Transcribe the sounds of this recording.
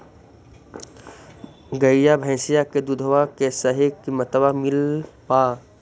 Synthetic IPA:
ɡəijabʱɛ̃ːsijaked̪ud̪ʱəʋakesəɦekimɐt̪əbamɪlpaː

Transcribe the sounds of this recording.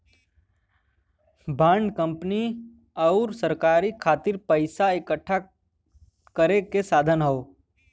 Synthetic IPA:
bãːɳɖkə̃mpni | ɔʊɾsəɾkaːɾikʰaːt̪ɪɾpəɪsaɪkəʈʰːa | kəɾekesaːd̪ʱənɦoo

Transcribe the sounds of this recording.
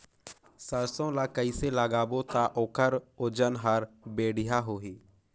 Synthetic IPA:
səɾsõlakəiselaːɡaːbot̪aʔoːkəɾod͡ʒənɦəɾbeːɽɪjaɦoːɦiː

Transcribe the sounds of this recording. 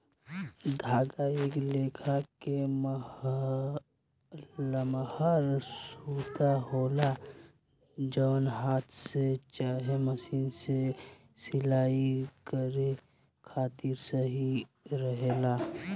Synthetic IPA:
d̪ʱaːɡaeːkleːkʰakem | lmhəɾsut̪aɦoːla | d͡ʒəːnɦaːt̪ʰset͡ʃaɦeməsiːnse | sɪlaːikəɾe | kʰaːt̪iɾsəɦi | ɾəɦela

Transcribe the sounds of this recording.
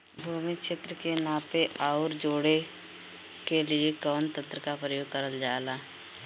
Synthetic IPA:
bʱuːmɪkʃet̪ɾəkenaːpeʔaʊɾd͡ʒoːɽe | keliekɔːnt̪ə̃nt̪ɾəkapɾəjoːɡ̚kəɾəld͡ʒaːlaː

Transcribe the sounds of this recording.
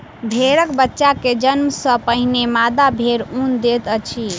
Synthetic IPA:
bʱeɾəkbətːʃaked͡ʒənməsəpəɦinemad̪abʱeɾund̪et̪ət͡ʃʰi

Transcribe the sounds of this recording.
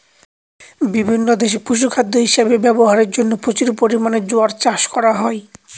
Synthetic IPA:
bibʱinːod̪eʃepuʃ̬ukʰad̪ʱːoɦiʃabebɛboɦaɾeɾd͡ʑonːopɾot͡ɕuɾpoɾimaned͡ʑoaɾt͡ɕaʃkɔɾaɦɔe

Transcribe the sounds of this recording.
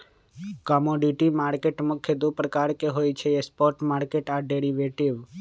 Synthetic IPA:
kɔmoɖiʈimaɾkeʈmʊkʰːjəd̪upɾəkaɾkeɦojt͡ʃʰeespɔɾʈmaɾkeʈaɖeɾiʋeʈiʋ

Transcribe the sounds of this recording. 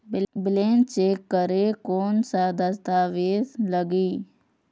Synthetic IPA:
bɪleːnt͡ʃeːkːəɾeːkoːnsad̪əst̪aːʋeːd̪ləɡiː

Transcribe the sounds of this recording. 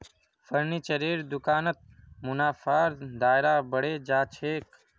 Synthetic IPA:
fəɾniːt͡ʃəɾeːɾd̪ʊkaːnət̪̚mʊnaːfaːɾd̪aːɪɾaːbəɽeːd͡ʒaːt͡ʃʰeːk

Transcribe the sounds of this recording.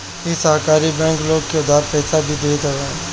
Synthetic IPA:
jesaɦkaːɾibɛ̃ːŋkloːɡ̚keʊd̪aːɾpɛːsabʱid̪eːt̪əɾẽ

